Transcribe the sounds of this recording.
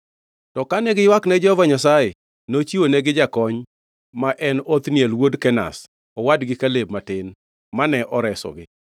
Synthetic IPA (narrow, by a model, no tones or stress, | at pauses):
tɔkanɛɡɪjwaknɛd͡ʒɔvaɲasaje | not͡ʃionɛɡɪd͡ʒakɔɲ | maʔɛnot̪njɛlwodkɛna̰s | ɔwadɡɪkaleb̚matɪn | manɛʔɔɾɛsɔ̰ɡɪ